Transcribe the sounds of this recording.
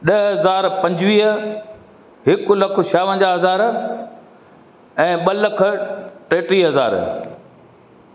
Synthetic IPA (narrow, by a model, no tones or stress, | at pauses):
ɗɐɦɐzaːɾpɐ̃ɲd͡ʑʋiːɦə | ɦɪkʊlɐkʰʊ̆ʃaːʋə̃nd͡ʑaːɦɐzaːɾ | ɛ̃ːɓɐlɐkʰʊ̆ʈeːʈɾiːɦɐza̰ːɾ